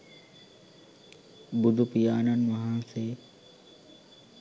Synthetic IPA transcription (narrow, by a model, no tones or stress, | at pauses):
bʊd̪ʱʊpijaːnənɪ̆ʋɐɦãseː